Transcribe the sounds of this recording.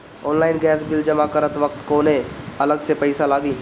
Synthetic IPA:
ɔːnlaːɪnɡɛːsbɪld͡ʒəmakəɾət̪ʋək̚t̪koːnẽɐləɡsepəɪsalaːɡiː

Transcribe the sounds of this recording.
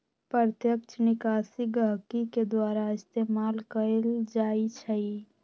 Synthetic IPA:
pəɾt̪jəkt͡ʃʰnɪkaːsiɡəɦkiked̪waːɾaɪst̪eːmaːlkəɾeld͡ʒaːit͡ʃʰɛi

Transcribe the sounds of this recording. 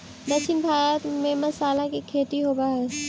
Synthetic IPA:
d̪ɐkʃʰɪnbʱaːɾt̪mẽmɐsaːlakikʰeːt̪iɦoːbaɦɛː

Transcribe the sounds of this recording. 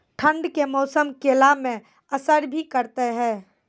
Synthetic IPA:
ʈʰə̃ɳɖkemɔːsəmkelamẽ | əsəɾbʱikəɾt̪eɦɛ̃ː

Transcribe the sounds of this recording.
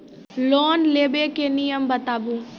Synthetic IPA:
lɔːnleːbekenijəmbət̪aːbũː

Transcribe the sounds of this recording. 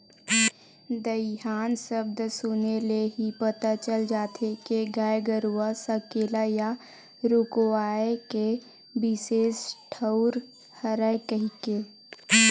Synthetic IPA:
d̪əɦaːnsəb̚d̪sʊneleɦipət̪at͡ʃəld͡ʒaːt̪ʰekeɡaːjɡəɾuwasəkeːlaja | ɾʊkoaːeke | bɪseːsʈʰəʊɾ | həɾəkəɦike

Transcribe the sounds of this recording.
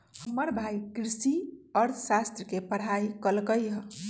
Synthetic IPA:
həməɾbʱajkɾisiəɾt̪ʰəsast̪ɾəkepəɽ̤aikəlkəjə

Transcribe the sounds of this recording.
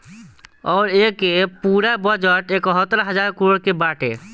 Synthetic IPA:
ɔːɾekepuːɾabɔd͡ʒəʈeːkɔɦɔt̪ɾaɦəd͡ʒaːɾkɾoːɽkebaːʈḛ

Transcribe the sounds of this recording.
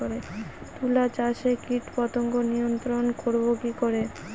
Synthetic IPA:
oɾet̪ulat͡ɕaʃekiʈpɔt̪oŋkonijont̪ɾonkoɾbokikoɾe

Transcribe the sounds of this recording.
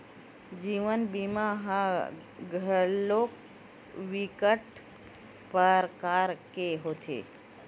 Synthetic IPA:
d͡ʒiːʋənbimaɦã | ɡʱəloːk | ʋikəʈ | pəɾkaːɾkeɦoːt̪ʰḛː

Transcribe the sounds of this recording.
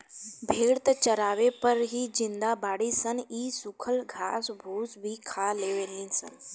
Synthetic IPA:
bʱeːɽt̪ət͡ʃəɾaːʋepɐɾɦid͡ʒɪnd̪abaːɽisəniːsʊkʰəlɡʱaːsbʱuːsbʱikʰaːleːʋeːlĩnsə̰n

